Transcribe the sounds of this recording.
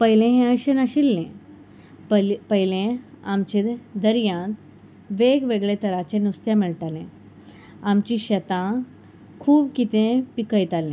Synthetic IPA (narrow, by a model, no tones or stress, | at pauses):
pəɦilẽɦẽəjɕənaɕilːẽ | pəɦilẽ | amt͡ɕed̪əɾjãt̪ | ʋeɡʋeɡɭet̪əɾat͡ɕenust̪jamiɭʈalẽ | amt͡ɕiɕət̪ã | kʰuːbkit̪ẽpikəjt̪alẽ